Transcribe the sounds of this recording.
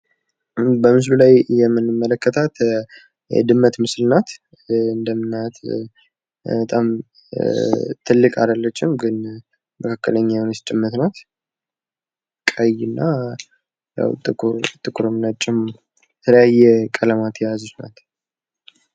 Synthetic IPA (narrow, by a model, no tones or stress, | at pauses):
bəmɨs̬lulajjɛmːɨnːɨmːələkːət̪ʰat̪ | jɛ̰d̪ɨmːət̪mɨslnat̪ | ɨnd̪əmɨnːat̪ | bət̪ʼam | t̪ʰɨlːɨkʼad̪əlːət͡ʃːɪmɡɨn | məkʰakːələɲːawnɛst͡ʃʼɪmːət̪nat̪ | kʼəjɨnːa | ja̰wt̪ʼɨɾt̪ʼɨkʰʼːuɾəmnat͡ʃʼːɪm | t̪ʰələjajːɛkʼələmat̪ʰjɛjazut̪na̰t̪